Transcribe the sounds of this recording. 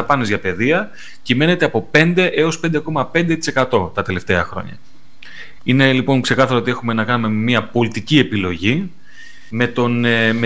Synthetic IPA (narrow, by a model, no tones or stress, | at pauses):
ɐpɐnezʝɐpe̞ðiɐ | cime̞ne̞t̪e̞ɐpo̞pe̞nd̪e̞ʔe̞o̞spe̞nd̪e̞ko̞mɐpe̞nd̪e̞t̪i̥se̞kɐt̪o̞t̪ɐt̪e̞le̞ft̪e̞ɐxɾo̞̰ɲɐ̰ | ine̞lipo̞ŋkse̞kɐθɐɾoot̪ie̞xume̞nɐkɐnume̞miɐpo̞lit̪icie̞pilo̞ʝi | me̞t̪o̞nme